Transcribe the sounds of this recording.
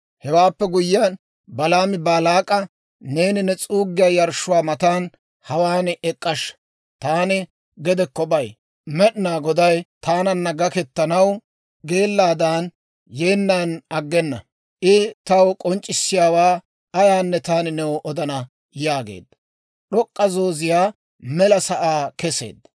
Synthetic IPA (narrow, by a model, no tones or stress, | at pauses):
hɛwaːpːɛɡʊjɪjaːn | bɐlaːmɪbaːlaːkʼɐ | ne̞ːnɪnɛt͡sʼuːɡːɪjaːjɐɾʃʊwaːmɐt̪aːn | hɐwaːnɛkʼːɐʃ | t̪aːnɪ | ɡɛd̪ɛkːɔbɐj | mɛɗnaːɡɔd̪ɐjt̪aːnɐnːɐɡɐkɛt̪ːɐnɐw | ɡe̞ːlːaːd̪aːn | je̞ːnːaːnɐɡːɛnːɐ̰ | ʔɪt̪ɐwkʼɔnt͡ʃʼːɪsːɪjaːwaː | ɐjaːnːɛt̪aːnɪnɛwɔʔɔd̪ɐnɐ | jaːɡe̞̰ːd̪ːɐ | ɗɔkʼːɐzoːzɪjaː | mɛlɐsɐʔaːkɛsḛːd̪ːɐ